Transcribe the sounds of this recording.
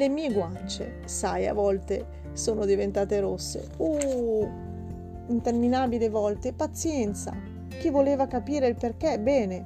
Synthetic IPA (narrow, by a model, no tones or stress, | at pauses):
lemiːeɡwant͡ʃḛ | saja̰vːɔlt̪e | soːnod̪ivent̪aːt̪eɾosːḛu | int̪erminaːbilevɔlt̪epat̪sːjɛnt̪sa̰ | k̟ivːoleːvakapiːɾeilperk̟ebɛːne